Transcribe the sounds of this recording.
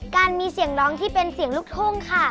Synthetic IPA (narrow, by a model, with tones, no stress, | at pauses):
kaː˧nmiː˧si˩˦əŋɾɔː˦˥ŋt̪ʰiː˥˩pe˧nsi˨˩˦əŋluː˦˥˩k̚t̪ʰoː˥˩ŋkʰa˥˩